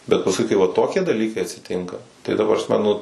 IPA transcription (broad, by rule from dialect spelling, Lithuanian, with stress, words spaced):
bʲɛt pɐsˈkʊɪ kɐɪ ˈʋɐ ˈtoːkʲiɛ dɐˈlʲiːkɐɪ ɐtʲsʲɪˈtʲɪŋkɐ tɐɪ prɐsʲˈmʲɛ nʊ